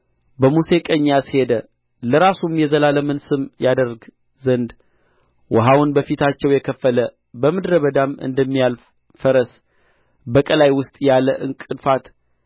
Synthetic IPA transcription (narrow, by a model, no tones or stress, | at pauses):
bəmuse̞kʼəɲːashe̞d̪ə | ləɾasumjɛzəlaləmɨnsɨmjad̪əɾɡ | zənd̪ | wɔɦawʊnbəfit̪ʰat͡ʃːɛwjɛkʰəfːələ | bəmɨd̪ɾəβəd̪amɨ̰nd̪əmːijal | fəɾəs | bəkʼəlajwʊst̪ʼjaləʔɨŋkʼɨd̪fat̪